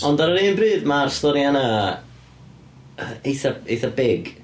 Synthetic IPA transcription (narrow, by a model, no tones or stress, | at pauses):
ɔndaɾəɾiːnbrɨːðmarstɔɾjana | ejθaejθabɪɡ